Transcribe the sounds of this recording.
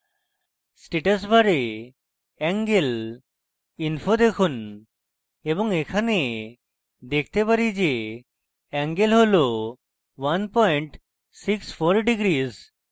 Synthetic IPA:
sʈeʈas̬bʱaɾe | ɛŋɡel | inpʰod̪ekʰun | ebɔŋekʰane | d̪ek̚ʰt̪epaɾid͡ʑe | ɛŋɡelɦolo | wanpɔjiɳʈ | siksfʰoɾɖiɡɾiz

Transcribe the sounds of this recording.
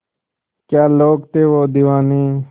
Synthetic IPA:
kjaːloːkt̪eːʋoːd̪iːʋaːniː

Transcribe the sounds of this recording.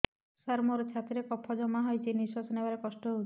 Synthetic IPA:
saɾmoɾt͡ʃʰat̪ɾekɔpʰːɔd͡ʒɔmaɦɔjt͡ʃʰiniswasɔnebaɾekɔsʈɔɦo

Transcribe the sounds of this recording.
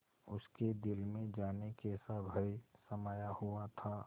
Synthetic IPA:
ʊsked̪ɪlmẽd͡ʒaːnekesabʱəisəmaːjahuat̪ʰaː

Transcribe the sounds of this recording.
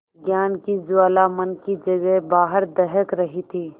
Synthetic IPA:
ɡjaːnkid͡ʒʊwaːlamənkid͡ʒɐɡəɦbaːɦəɾd̪ɛɦəkɾɐɦit̪ʰiː

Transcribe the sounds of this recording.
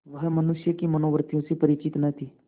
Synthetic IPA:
ʋəɦmənʊʃjəkimənoːʋəɾt̪ijõːsipəɾɪt͡ʃɪt̪nɛt̪ʰiː

